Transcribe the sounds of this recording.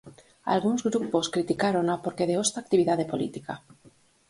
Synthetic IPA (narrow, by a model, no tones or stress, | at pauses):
a̰lɣunzɣɾupo̞skɾit̪ikaɾo̞napo̞ɾkeðeost̪aːk̚t̪iβ̞iðaðe̞po̞lḭt̪ika